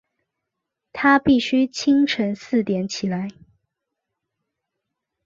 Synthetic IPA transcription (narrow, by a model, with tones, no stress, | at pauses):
t̪ʰa˥pi˥˩ɕy˥t͡ɕʰi˥ŋʈ͡ʂʰə˧˥ŋsɹ̩˥˩t̪jɛ˨˥nt͡ɕʰi˨˩la˨˧˦ɪ